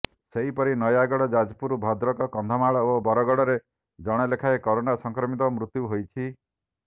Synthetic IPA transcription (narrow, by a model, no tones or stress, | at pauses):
seɦipɔɾinɔjaɡɔɽɔd͡ʒad͡ʒpuɾubʱɔd̪ɾɔkɔkɔnd̪ʱɔmaɭɔobɔɾɔɡɔɽɔɾe | d͡ʒɔɽ̃ɔlekʰaekɔɾonasɔŋkɾɔmit̪ɔmɾut̪juɦojt͡ʃʰi